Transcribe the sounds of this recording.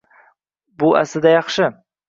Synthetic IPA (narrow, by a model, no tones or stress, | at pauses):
bʊa̰sɪd̪ajɑχʃɪ